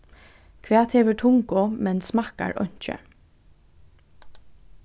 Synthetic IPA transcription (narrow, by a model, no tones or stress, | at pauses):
kʰʋɛːt̪hɛːʋɪɹt̪ʰʊŋkʊmɛnsmaka̰ɹʔœ̰ɲ̥t͡ʃə̰